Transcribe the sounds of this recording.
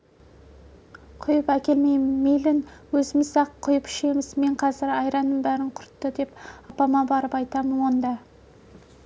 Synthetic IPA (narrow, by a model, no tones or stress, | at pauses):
qʰʊjəpækʲe̞lme̞jmɪmːejlɪnwɵzɪmɪzsɑqqʰːʊjəpɪ̥ʃe̞mɪzme̞ɴqʰɑzɪɾɑjɾɑnːəmbæɾɪɴqʰʊɾt̪ːəd̪e̞pɑpɑmɑbɑɾəpɑjt̪ɑmənwo̞nd̪ɑ